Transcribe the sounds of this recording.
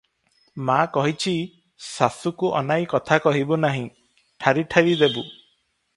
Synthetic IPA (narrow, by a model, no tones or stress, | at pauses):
makɔɦit͡ʃʰi | sasukuʔɔ̰najkɔt̪ʰakɔɦibɔnaɦĩ | ʈʰaɾiʈʰaɾid̪ebu